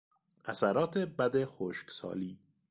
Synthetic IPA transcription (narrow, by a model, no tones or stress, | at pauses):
ʔæsæɾɒːt̪ʰebæd̪exoːʃksɒ̰ːliː